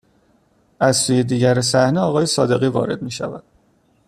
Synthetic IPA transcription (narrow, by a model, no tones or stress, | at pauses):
ʔæzsuːje̞d̪iːɟæɾesæhneɒːɣɒːje̞sɒːd̪e̞ɣiːvɒ̰ːɾe̞d̪̚miːʃævæ̰d̪̥